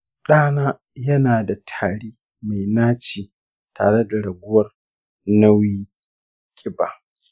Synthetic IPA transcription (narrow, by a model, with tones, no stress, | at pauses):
ɗaː˦naː˦ | jɐ˦naː˨da˨tʰaː˨ɽiː˦ | ma˨jnaː˦t͡ʃiː˨ | tʰa̰ː˨ɽe˦da˨ɽɐ˨ɡʷʊ˦wɐ˦˨r | na˦wiː˦ | kʲʼɪ˦baː˨